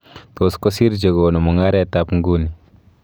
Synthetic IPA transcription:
t̪o˨sko˦si˦ɾd͡ʒe˨ɡo˨nu˨mu˨ŋa˦ɾɛ˦ta˦pŋɡu˦ni˨

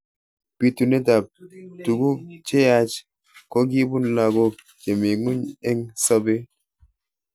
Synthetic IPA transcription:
pi˦tu˨ne˦da˨p̚tu˨ɡu˦t͡ʃe˦ja˦t͡ʃ | kɔ˦ɡi˦bu˦n˦la˨ɡo˦ | ke˨me˨ŋu˦ɲe˦ŋsɔ˦be˦

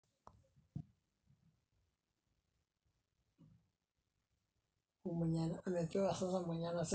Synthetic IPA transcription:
u˨mu˨ɲa˨na˨me˨t̪e˦βa˨sa˦sa˦mu˨ɲa˦na˨se˦

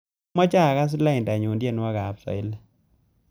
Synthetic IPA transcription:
mɔ˦t͡ʃa˦˨ka˦s̬i˦la˦i˨nda˨ɲu˨ndje˦˨nwa˦ɡa˨psɔ̰˨ɪ˦la˨

